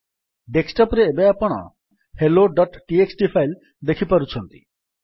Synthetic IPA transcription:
ɖeksʈɔpɾeːbaapɔɽ̃ɔ̰ | heloɖɔʈʈieksʈipʰajl | d̪ekʰipaɾut͡ʃʰɔnt̪i̥̰

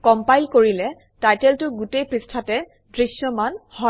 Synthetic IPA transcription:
kɔmpajlkoɹilɛ | tajtɛltʊɡutejpɹistʰatɛ | dɹisjɔmanhɔ

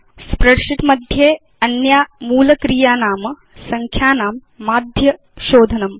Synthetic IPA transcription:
spɾɐɽʂiʈ̪mɐd̪ʱjeː | ɐnjaːmuːlɐkɾijaːnaːmɐ | sɐŋkʰjaːnaːmː | aːd̪ʱjɐ | ʃoːd̪ʱɐnɐm

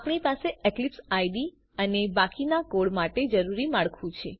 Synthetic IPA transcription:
apɳ̃ipaseeklipsajɖi | ənebakinakoɽmaʈed͡ʒəɾuɾimaɭkʰũt͡ʃʰe

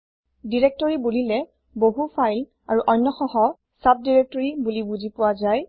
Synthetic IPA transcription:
diɹɛk̚tɔɹibulilɛ | boɦupʰajl | aɹuʔɔjnːɔxɔɦɔ | sap̚diɹɛk̚tɔɹibulibuzipʊwazaj

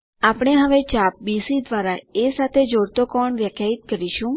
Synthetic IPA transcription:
apɳ̃eɦəʋet͡ʃap̚bisid̪ʋaɾaesat̪ʰed͡ʒoɽt̪okɔɳʋjəkjait̪̚kəɾiʃũ

